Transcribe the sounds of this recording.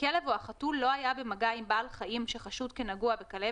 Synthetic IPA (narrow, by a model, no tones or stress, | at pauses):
kelevoaχatulːo̞ajabemaɡaimbaːlχaʔimʃeχaʃud̚kenaɡuabekale